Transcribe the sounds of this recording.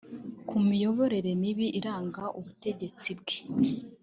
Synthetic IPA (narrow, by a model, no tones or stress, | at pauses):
kumijo̞βo̞ɾe̞ɾe̞miβiʔiɾaːŋɡaʔuβute̞ɟe̞t͡sibɡe̥